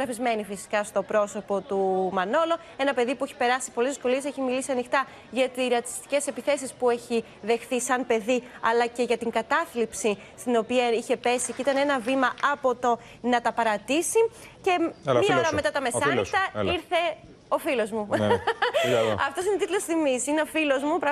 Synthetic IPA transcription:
ɣɾɐfizme̞nifisi̥kɐst̪o̞pɾo̞so̞po̞t̪umɐno̞lo̞ | e̞nɐpe̞ðipueçi̥pe̞ɾɐsi̥po̞lizðisko̞lie̞se̞çimilisiɐnixt̪ɐ | ʝɐt̪iɾɐt̪i̥st̪i̥ce̞se̞piθe̞s̬ispue̞çi | ðe̞xθisɐnpe̞ðiɐlɐce̞ʝɐt̪iŋɡɐt̪ɐθlipsi | st̪ino̞piɐiçe̞pe̞siceit̪ɐnenɐvimɐɐpo̞t̪o̞ | nɐt̪ɐpɐɾɐt̪isi | ce̞mɐoɾɐmme̞t̪ɐt̪ɐmesɐnit̪ɐiɾθe̞ | o̞filo̞zmu | ɐft̪o̞sine̞t̪it̪lo̞sθimisineofilo̞zmupɾɐ

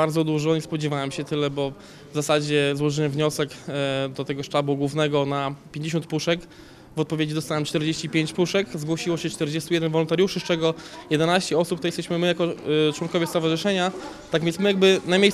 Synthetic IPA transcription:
aɾd̪zɔd̪uʐɔɲɛspɔd͡ʑɛvawɛmɕɛt̪ɘlɛbɔ | vzasad͡ʑɛzwɔʐɘwɛmvɲɔsɛkd̪ɔt̪ɛɡɔʂt͡ʂabuɡwuvnɛɡɔnapʲjeɲd͡ʑeɕɔnt̪̚puʂɛk | vɔt̪̚pɔvʲjed͡ʑid̪ɔst̪awɛmt͡ʂt̪ɛɾd͡ʑeɕt͡ɕipʲjeɲt͡ɕpuʂɛkzɡwɔɕiwɔɕɛt͡ʂt̪ɛɾd͡ʑɛst̪ujɛd̪ɛnvɔlɔnt̪aɾʲjuʂɨst͡ʂɛɡɔjɛd̪ɛnaɕt͡ɕɛɔsup̚t̪jɛst̪ɛɕmɘmɘjakɔt͡ʂwɔnkɔvʲjɛst̪ɔvaʐɘʂɛɲa | t̪aɡvʲjɛ̃nmɘjaɡ̚bɘnamʲej

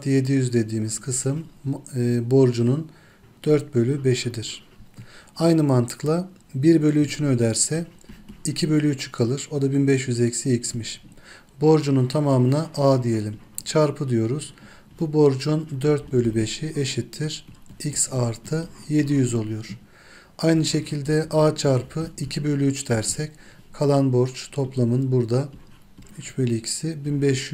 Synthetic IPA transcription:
t̪je̞d̪ijyzd̪e̞d̪iːmiz̥kʰɯsɯm | bo̞ɾd͡ʒunun | d̪̥øɾt̪̚bø̞lʲybe̞ʃid̪iɾ̥ | ajnɯmant̪ʰɯ̥klˠa | biɾbø̞lʲyːt͡ʃʰynø̞d̪æɾsɛicʰibø̞lʲyyt͡ʃʰɯ̥kʰalˠɯɾo̞d̪abinbɛʃ̬jyzecsiicsmiʃ | bo̞ɾd͡ʒununt̪ʰamaːmɯnaʔaːd̪ije̞lʲimt͡ʃʰaɾpʰɯd̪ijo̞ɾuz̥ | b̥ubo̞ɾd͡ʒund̪øɾt̪̚bø̞lʲybe̞ʃieʃit̪ʰːiɾ̥icsaɾt̪ʰɯje̞d̪ijyzo̞lˠujoɾ̥ | ajnɯʃe̞cʰilʲd̪ɛʔaːt͡ʃʰaɾpʰɯicʰibø̞lʲyyt͡ʃd̪æɾsɛc | kʰalˠanbo̞ɾt͡ʃt̪ʰo̞plˠamɯnbuɾd̪a | yt͡ʃbølʲyicʰi̥sibinbɛʃ

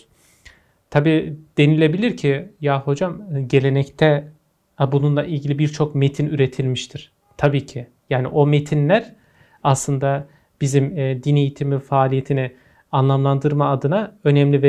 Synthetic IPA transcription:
t̪ʰabiːd̪̥e̞nilʲe̞bilʲiɾcʰijaho̞d͡ʒamɯɟe̞lʲe̞nɛct̪ʰɛ | abununlˠaʔilʲɟilʲibiɾt͡ʃʰo̞kme̞t̪ʰinyɾe̞t̪ʰilʲmiʃt̪ʰiɾ̥ | t̪ʰabiːcʰi | jaːniʔo̞met̪ʰinlʲæɾ | aslˠɯnd̪a | b̥izimːd̪ine̞jit̪ʰimifaːlʲijet̪ʰini | anlˠamlˠand̪ɯɾmaːd̪ɯnaø̞nɛmlʲivɛ

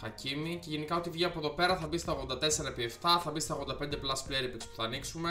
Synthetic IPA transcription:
xɐcimice̞ʝe̞nikɐo̞t̪ivʝiɐpoðo̞pe̞ɾɐθɐbist̪ɐoɣðo̞nd̪ɐt̪e̞se̞ɾɐepieft̪ɐθɐbist̪ɐɣo̞nd̪ɐpe̞nd̪e̞plɐspleɾipekspu̥θɐːniksume̞

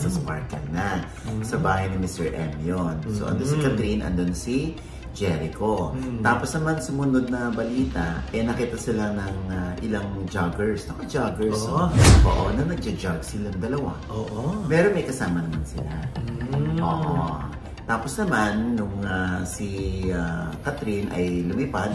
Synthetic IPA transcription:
sɐspa̰ɹkɐŋnɐ | sɐbaːhɐjnɪmɪst̪ɛɹʔɛ̰mjonso̰ʔɐ̰nd̪onsɪkɐt̪ɾinʔɐ̰nd̪onsi | d͡ʒɛɾɪko̞t̪aːposnɐmansʊmʊnod̪̚nɐbɐliːt̪ɐʔɛnɐkiːt̪ɐsɪlanɐŋaʔɪ̰laŋd͡ʒaɡɛɹst̪ɐkɐd͡ʒaɡɛɹsʔoːʔonɐnɐɡ̚d͡ʒɐd͡ʒaɡsɪlɐŋd̪ɐlɐwa̰ʔoːʔomɛɾonmɛjkɐsaːmɐnɐmansɪla | ʔo̰ʔo | t̪aːpo̞snɐmanːʊŋasiakɐt̪ɾinʔɐ̰jlʊmipad̪̚

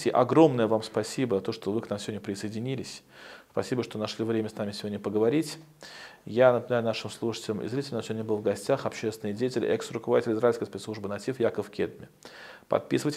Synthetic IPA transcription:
tʲɪʔɐɡɾo̞mnəjəvamspɐsʲibəzɐt̪o̞ʂt̪ovɨknamsʲɪvodʲnəpɾʲɪsəɪdʲɪnʲilʲɪsʲspɐsʲibəʂt̪o̞nɐʂlʲivɾʲemʲəsnamʲɪsʲɪvo̞dʲnʲəpəɡəvɐɾʲitʲ | janəpɪnaʊnaʂɨmslˠuʂɨ̥tʲɪlʲɪmʔɪ̰zɾʲitʲɪlʲnsɪvʲdʲnʲəbɨlˠvɡɐsʲtʲaxɐpɕest̪vʲɪnɨjdʲejətʲɪlʲɪ̰ɛksɾʊkəvɐdʲitʲɪlʲɪzɾajlskəjspʲet̪slˠuʐbɨnɐtʲifjakəfkʲed̪mʲɪ | pɐ̰t̪̚pʲisɨvətʲ

